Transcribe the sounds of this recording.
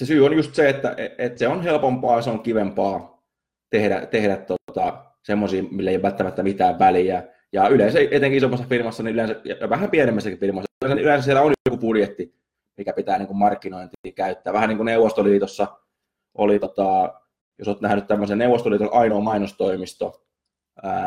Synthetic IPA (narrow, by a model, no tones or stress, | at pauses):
sesyːonjust̪seet̪ːæ̰ʔeet̪seonhelpompɑːseoŋkiʋempɑː | t̪ehdæ̰t̪ehɾæt̪tot̪ɑ | semːosiːmilːeijoʋælt̪ːæmæt̪ːæmit̪æːʋʋæljæ | jɑyleːnsæʔet̪eŋkiisomːɑsːɑfirmɑsːɑniyleˑnsæjɑjɑʋæhæmpienemːæsːækiffirmɑsːɑyleˑnsæylẽˑnsæsielæonjokupudjet̪ːi | mikæpit̪æːniːŋkummɑrkːinoint̪ikæyt̪ːæːʋʋæhæniːŋkuneuʋost̪oliːt̪osːɑ | ʔo̰lit̪ot̪ɑˑ | josoːt̪næhnyt̪t̪æmːøsenneuʋost̪oliːt̪onʔɑinoːmɑinost̪oimist̪o̰ | əː